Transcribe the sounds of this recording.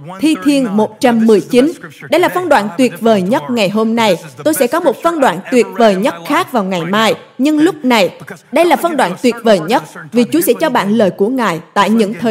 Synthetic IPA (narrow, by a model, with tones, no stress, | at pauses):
t̪ʰi˧t̪ʰi˧ənmo˨˩t̚t͡ɕa˧mːɨ˨˩əjt͡ɕi˨˦nɗə˧jlaː˨˩fə˧nɗwa̰ː˧˩nt̪wi˨˩ət̚vəː˨˩jɲə˦˥t̚ŋa˨˩jɦo˧mna˧jt̪o˧jsɛ̰˧˥kɔ˨˦mo˨˩t̚fə˧nɗwaː˧˩nt̪wi˨˩ət̚vəː˨˩jɲə˦˥t̚xaː˦˥k̚vaː˨˩wŋa˨˩jmaː˧j | ɲɨ˧ŋlʊ˦˥k͡p̚na˨˩jɗə˧jlaː˨˩fə˧nɗwaː˧˩nt̪wi˨˩ət̚vəː˨˩jɲə˦˥t̚vi˨˩t͡ɕu˨˦sɛ̰˧˥t͡ɕɔ˧ɓa̰ː˧˨nləː˧˩jku˧˩əŋaː˨˩jt̪a̰ː˧˨jɲɨ̰˧˥ŋt̪ʰəː˨˩